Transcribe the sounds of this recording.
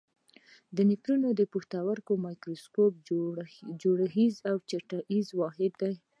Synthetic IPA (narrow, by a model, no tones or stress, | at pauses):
d̪ənikɾunod̪əpuxt̪awaɾkomɑjkɾoskop̚ | d͡ʒoɽaɣizawt͡ʃaʈaʔizwɑɦɪd̪ːaj